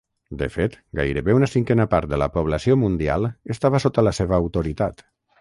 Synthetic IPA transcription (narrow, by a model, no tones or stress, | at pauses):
d̪ə̰fet̪ɡa̰jɾəβeunəsiŋkɛnəpaɾt̪̚d̪ələ̰puβ̞ləsiomund̪ia̰lˠəst̪aβəsot̪ələseβəːwt̪uɾit̪at̪